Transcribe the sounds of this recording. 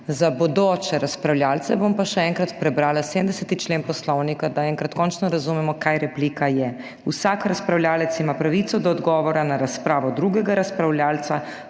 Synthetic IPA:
zabod̪oːt͡ʃɛɾaspɾawljaːlt̪sɛbompaʃɛɛŋkɾat̪pɾɛbɾaːlasemd̪ɛsɛt̪it͡ʃleːnpɔslɔwnikad̪aɛŋkɾat̪kɔːnt͡ʃnɔɾazumɛmɔkajɾɛpliːkajɛ | usakɾaspɾawlʲjaːlɛt̪simaːpɾaʋit̪sɔd̪ɔːd̪ɡɔːʋɔɾanaɾaspɾaːʋɔd̪ɾuɡɛɡaɾaspɾawljaːlt̪sa

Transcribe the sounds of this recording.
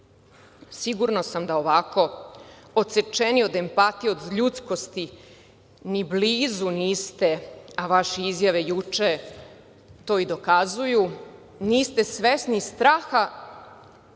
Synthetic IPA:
siɡuɾnosamd̪aoʋako̞ | ot̪set͡ʃenio̞d̪e̞mpat̪iod̪ʎut̪sko̞st̪i | nibliːzuniːst̪e̞aʋaʃeizjaʋe̞jut͡ʂe | t̪o̞ːid̪o̞kazuju | niːst̪e̞sʋesnist̪ɾaːxa

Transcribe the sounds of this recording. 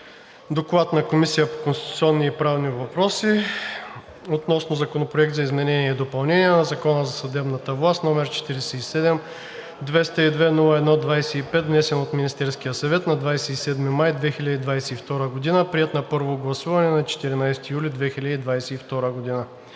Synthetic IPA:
d̪oklˠat̪nɐkomisijəpo̥konst̪i̥t̪ut̪siɔnːiːpɾavnivɐpɾɔsi | ot̪nɔsnozɐkonopɾoɛk̚t̪zɐizmɛnɛnʲiɛd̪opɐlˠnɛniɛnɐzɐkɔnəzɐsɐd̪ɛbnɐt̪əvlˠast̪nɔmɛɾt͡ʃɛ̥t̪iɾɛsɛisɛd̪ɛm | d̪vɛst̪əid̪vɛnulˠəɛd̪nɔd̪vajsɛipɛt̪vnɛsɛnot̪minist̪ɛɾsk̟ijəsɐvɛt̪nɐd̪vajsɛisɛd̪mimajd̪vɛxilʲɐd̪id̪vajsɛift̪ɔɾəɡod̪inəpɾiɛt̪nɐpɤɾvoɡlˠɐsuvɐnɛnɐt͡ʃɛ̥t̪iɾinajst̪ijulid̪vɛxilʲəd̪id̪vajsɛift̪ɔɾəɡod̪inə

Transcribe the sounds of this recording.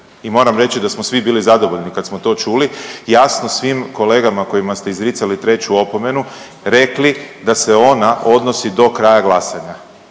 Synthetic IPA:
imo̞ːɾamɾe̞t͡ɕid̪asmosʋibiːlizad̪o̞ʋo̞ʎnikad̪smo̞t̪o̞ːt͡ʃuːlijasno̞sʋimko̞le̞ːɡamako̞jimast̪e̞izɾit̪salit̪ɾe̞t͡ɕuo̞po̞me̞nu | ɾe̞klid̪ase̞o̞naʔo̞d̪nosid̪o̞kɾajaɡlˠasaɲa

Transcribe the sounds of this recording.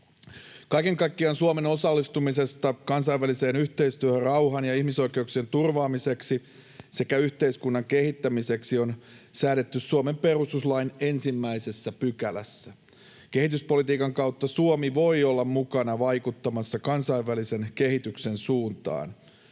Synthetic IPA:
kɑike̞ŋkɑikːiɑnsuome̞no̞sɑlːist̪umise̞st̪ɑkɑnsɑiʋælise̞ːnyçt̪eist̪yøhørrɑwɦɑnjɑihmiso̞ik̟e̞uksient̪urʋɑːmise̞ksi | se̞kæyçt̪e̞iskunːɑŋkehit̪ːæmise̞ksio̞n | sæːɾe̞t̪ːyssuome̞mpe̞rust̪uslɑine̞nsimːæise̞sːæpykælæ̰sːæ | ke̞hit̪yspo̞lit̪iːkɑŋkɑwt̪ːɑsuomiʋo̞iolːɑmmukɑnɑʋɑjkut̪ːɑmɑsːɑkɑnsɑiʋːælise̞nke̞ɦit̪ykse̞nsuːnt̪ɑ̰ːn

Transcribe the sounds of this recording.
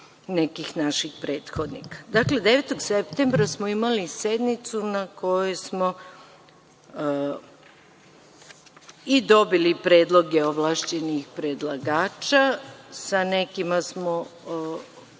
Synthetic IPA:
ne̞kixnaʃixpɾeːt̪xod̪nḭkḁd̪akle̞d̪e̞ʋet̪oɡsept̪embɾasmoimalise̞d̪nit̪sunako̞jusmo | id̪o̞bilipɾe̞ːd̪lˠo̞ɡeoʋlˠaːʃt͡ɕe̞nixpɾed̪lˠaɡaːt͡ʃasane̞kimasmo

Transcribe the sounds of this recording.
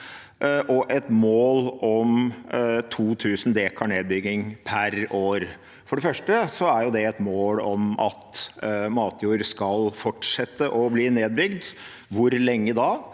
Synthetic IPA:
ʔɔʔɛt̪moːlɔm | t̪ʰuːt̪ʰʉːsn̩d̪eːkʰɑɳeːd̪̚bʏɡɪŋpʰæɾoːɾ | fɔɖɛfœʂʈəsɔæɾjʊd̪ɛɛt̪moːlɔmɑ̰t̪mɑːt̪ʰjuːəɾskɑlfɔʈʂɛt̪ːəʔɔbliːneːd̪̚bʏɡd̪ | ʋʊɾlɛŋːəd̪ɑ

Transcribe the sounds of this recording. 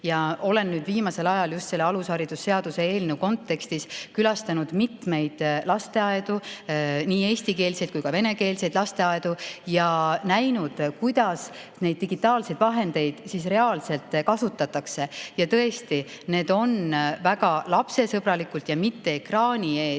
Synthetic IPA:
jɑo̞le̞nːyːd̪viːmɑse̞lɑjɑljust̪se̞lːeɑlushɑɾid̪̥usːe̞ɑd̪̥use̞e̞ːlneuko̞nt̪ːe̞kst̪iskylɑst̪ɑnud̪̥mit̪me̞jd̪̥lɑst̪e̞ɑed̪̥uniːeːst̪ike̞ːlse̞jd̪̥̚kujkɑve̞ne̞ke̞ːlse̞jd̪lɑst̪e̞ɑed̪̥ujɑnæjnud̪̥kujd̪̥ɑs | ne̞jd̥̪̚ːiɡ̥it̪ːˑɑːlse̞jd̪̥vɑɦe̞nd̪̥e̞jd̪̥siːsre̞ɑːlse̞lt̪ːˑkɑsut̪ːˑɑt̪ːˑɑkse̞jɑt̪ɤ̞est̪ine̞ːd̪̥o̞nvæɡ̥ɑlɑpse̞sɤb̥ɾɑlikult̪jɑmit̪ːe̞ekrɑːnʲie̞ː

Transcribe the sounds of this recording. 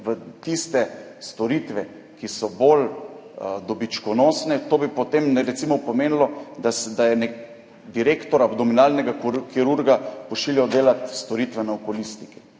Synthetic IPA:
ʋət̪ist̪ɛst̪ɔɾiːt̪ʋɛ | kisɔbol | d̪ɔbit͡ʃkɔnoːsnɛt̪oːbipɔt̪emnɛɾɛt̪simɔpɔmeːnlɔd̪asd̪ajɛnek | d̪iɾeːkt̪ɔɾabd̪ɔminalnɛɡakiɾuɾɡapɔʃiljawd̪eːlat̪st̪ɔɾit̪ʋɛnaɔkɔlist̪iki̥

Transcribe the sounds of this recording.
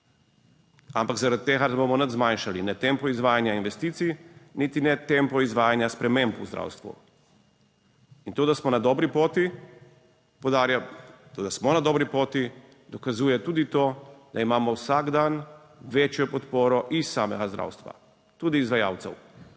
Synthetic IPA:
ampaɡzaɾad̪̚t̪ːeːɣasɛbomɔnad̪zmajnʃalinɛt̪empɔizʋaːjanjainʋɛst̪iːt̪sijnit̪inɛt̪empɔizʋaːjanjaspɾɛmẽmpuzd̪ɾa̰ːwst̪ʋṵ | int̪oːd̪asmɔnad̪ɔːbɾipoːt̪i | pod̪aɾjat̪od̪asmɔnad̪ɔːbɾipoːt̪i | d̪ɔkazuːjɛt̪uːd̪it̪oːd̪aimaːmɔwsaɡd̪an | ʋeːt͡ʃjɔpɔt̪poːɾɔʔisːaːmɛɡazd̪ɾa̰wst̪ʋa̰ | t̪uːd̪iːzʋaja̰ːwt̪sɛ̰w

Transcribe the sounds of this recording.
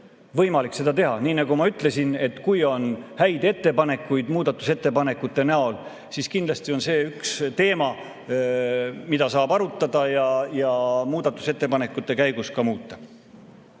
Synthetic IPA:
vɤ̞jmɑlikse̞d̪̥ɑt̪e̞ɦɑniːnɑɡ̥umɑyt̪ːˑle̞sine̞t̪ːˑkujo̞nhæjd̪e̞t̪ːe̞pɑne̞kːˑujd̪̥muːd̪̥ɑt̪ːˑuse̞t̪ːe̞pɑne̞kːˑut̪ːˑe̞næo̞l | siskind̪lɑst̪io̞nse̞ːykst̪e̞ːmɑ | mid̪ɑsɑːbɑɾut̪ˑːɑd̪̥ɑjɑjɑmuːd̪̥ɑt̪ːˑu̥se̞t̪ˑːe̞pɑne̞kːˑut̪ːˑe̞kæjɡ̥uskɑmuːt̪ːˑɑ

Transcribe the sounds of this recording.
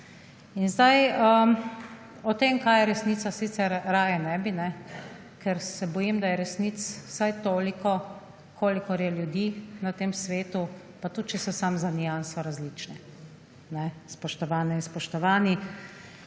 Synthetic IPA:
inzd̪ajə | ɔt̪emkaːjɛɾɛsniːt̪sasit̪sɛɾɾaːjɛnɛbinɛ | kʰɛɾsɛbɔjimd̪ajɛɾɛsnit̪ssajt̪oːlikɔ | kʰoːlikɔɾjɛljud̪inat̪eːmsʋeːt̪u | pat̪ut̪̚t͡ʃɛsɔsamzanijansɔɾazlit͡ʃnɛ | nɛspɔʃt̪ɔʋaːnɛinspɔʃt̪ɔʋaːni

